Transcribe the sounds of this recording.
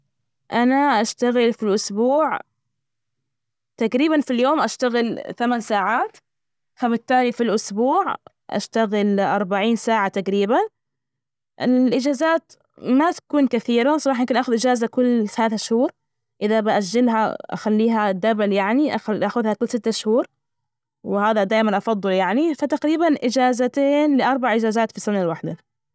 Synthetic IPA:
ʔanaʔaʃt̪aɣɪlfilʔʊsbuːʕ | t̪aɡɾiːbanfiljoːmʔaʃt̪aɣɪlθamansaːʕaːt̪ | fabɪt̪ːaːlifilʔʊsbuːʕ | ʔa̰ʃt̪aɣɪlʔɑɾˤbaʕiːnsaːʕat̪aɡɾiːban | ʔɪlʔɪd͡ʒaːzaːt̪ | mat̪ḁkuːnkaθiːɾasˤɑɾˤɑːħjɪmkɪnʔaːxʊðʔɪd͡ʒaːzakʊlːsalaːθʃhuːɾˤ | ʔɪðabɪʔaʒːɪlɦa̰ʔa̰xalːiːɦad̪abaljaʕniʔaxʔaxʊðhakʊlːsɪt̪ːaʃhuːɾˤ | wɪhaːðad̪aːjmanʔɑfɑd̪ˤːɨljaʕnifat̪aɡɾiːbanʔɪd͡ʒaːzat̪eːnlɪʔɑɾˤbaʕʔɪd͡ʒaːzaːt̪fisʊnːalwaħd̪a

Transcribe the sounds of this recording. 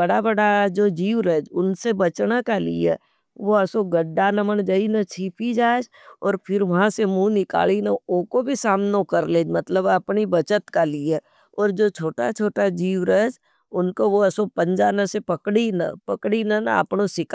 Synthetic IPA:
bɐɽabɐɽaɦd͡ʒoːd͡ʒiːʋɾɛd͡ʒʊnsebɐt͡ʃnakalḭḛ | ʋoɐsoɡəɖːanɐmənd͡ʒəinɐt͡ʃʰiːpʰid͡ʒaːd͡ʒ | ɔːɾpʰɪɾʋɐɦãsemũːnɪka̰ːlinaokobʱisaːmnokɐɾleːd͡ʒmɐt̪ləbɐpnibɐt͡ʃət̪kalie | ɔːɾd͡ʒoːt͡ʃʰoːʈa̰t͡ʃʰoːʈad͡ʒiːʋɾəːd͡ʒ | ʊnkoʋoɐsopə̃ɲd͡ʒaːnə̃sepɐkɽina̰pɐkɽinanə̰pnosɪk

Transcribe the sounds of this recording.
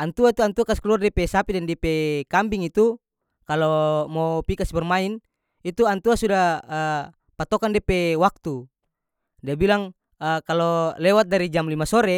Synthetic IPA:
ant̪uait̪uant̪uakasi̥kəluardɛpɛsapidɛndɛpɛkambiŋit̪u | kalomɔpikasibɛrmain | it̪uant̪uasudaə | pat̪ɔkandipɛwak̚t̪u | diabilaŋ | əkalɔlɛwat̪̚daɾid͡ʒamlimasɔɾɛ

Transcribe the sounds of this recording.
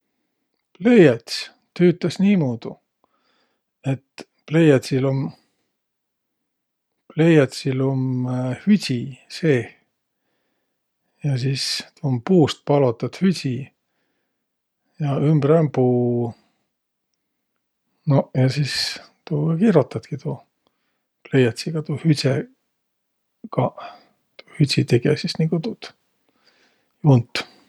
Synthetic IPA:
plejɑt̪ʲsʲ | t̪yːt̪ːˑɑsniːmoːd̪̥u | e̞t̪ | plejɑt̪ʲsilom | plejɑt̪ʲsilomhysʲiseː | jɑsiːst̪umpuːst̪̚pɑlot̪ːˑɑt̪hysʲi | jɑymbɾɑmpuː | nojɑsiːs | t̪uːkiɾot̪ːɑt̪kit̪u | plejɑt̪siɡ̥ɑt̪uhysʲe | kɑ | t̪u̥hysʲit̪eɡesisniŋkut̪ut̪ | junt̪ːˑ

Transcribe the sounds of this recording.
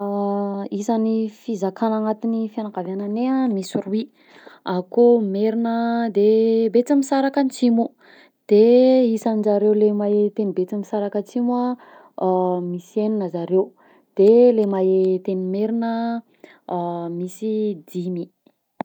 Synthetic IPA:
isanifizakʰanaŋat̪inifjanakavananeamisuɾui | akomeɾinəd̪ebet͡samisaɾakant͡simu | d̪̥eisanizaɾewlemaet̪enibet͡simisaɾakət͡simua | miseninəzaɾew | d̪̥elemaet̪enimeɾinə | misid̪imi

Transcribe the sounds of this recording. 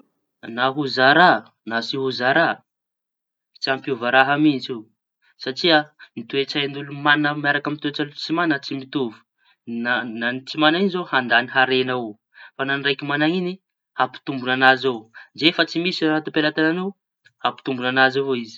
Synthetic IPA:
naɦuzaɾa | nasiɦuzaɾa | t͡siampuvaɾaɦamint͡si | saʈ͡ʂianit̪uet͡saand̪ulumanəmaɾakamit̪uet͡salut͡simanət͡simit̪uvu̥ | nananit͡simanainzohand̪aniɦaɾenau | fananrajkimanaŋini | hapi̥t̪umbunanazowd͡ʒefat͡simisiɾat̪upelat̪ananu | hapi̥t̪umbunanazavoizi̥

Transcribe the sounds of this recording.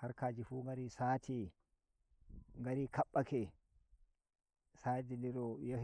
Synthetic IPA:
haɾkaːd͡ʒifuːŋɡaɾisaːtʰi | ŋɡaɾikaɓːakɛ | sadindiɾɔjo

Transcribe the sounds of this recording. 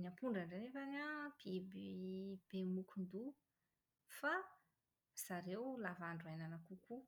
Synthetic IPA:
nampuɳɖ͡ʐaɳɖ͡ʐanevanab̥ebib̥emukund̪u | fa | z̥aɾewlavaɳɖ͡ʐuajnanakuku

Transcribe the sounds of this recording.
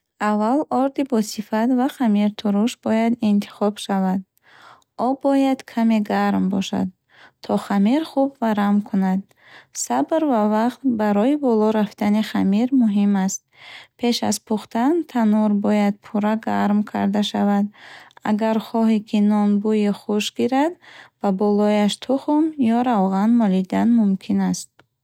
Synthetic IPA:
avːalɔɾd̪ibɔsifat̪vaχamiɾt̪ʰuɾuʃbɔjad̪int̪ʰi̥χɔbʃavad̪ | ɔbɔjad̪kʰameɡaɾmbɔʃa̰d̪̚ | t̪ʰɔχamiɾχubvaɾamkʰunad̪ | sabɾvavaqt̪baɾɔibɔlɔɾaft̪ʰaniχamiɾmuɦimast̪̚pʰe̞ʃa̰zpʰuχt̪ant̪ʰanuɾbɔjad̪̚pʰuɾaɡaɾmkʰa̰ɾd̪aʃavad̪a̰ɡaɾχɔɦikʰinɔnbujiχuʃɡiɾad̪babɔlɔjaʃt̪ʰuχmjɔɾawʁanmɔlid̪anmumkʰinast̪̚

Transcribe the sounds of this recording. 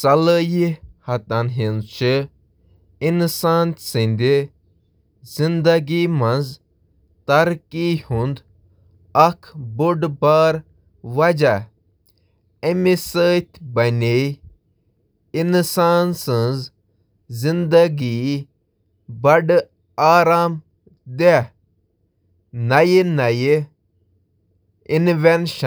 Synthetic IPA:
sɐləjihɐt̪ɐnɦinzt͡ʃi | insaːnt̪sinʲd̪i | zind̪ɐɡimɐnz | t̪ɐɾkihũnd̪ | ɐkʰbuɖbaːɾ | ʋɐd͡ʒa | emisəːt̪ʲbɐnʲe | insaːnsə̃nz | zind̪ɐɡi | bɐɖ | aːɾaːm | d̪e | nɐjinɐji | inʋenʃɐ

